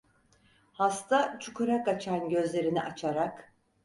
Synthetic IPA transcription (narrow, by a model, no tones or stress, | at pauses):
hast̪ʰat͡ʃʰukʰuɾakat͡ʃʰanɟø̞zlʲe̞ɾiniʔat͡ʃʰaɾak